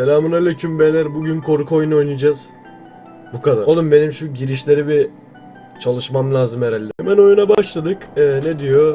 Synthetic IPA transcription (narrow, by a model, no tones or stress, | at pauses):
selʲaːmunalʲɛcʲʰymbelʲæɾbuɟynkʰo̞ɾukʰo̞juno̞jnɯd͡ʒaz̥ | bukʰad̪alˠɯmbe̞nimʃuɟiɾiʃlʲe̞ɾibi | t͡ʃʰalˠɯʃmamlʲˠaːzɯmɛɾælʲːɛɛmæno̞junabaʃlˠad̪ɯkɛned̪ijo̞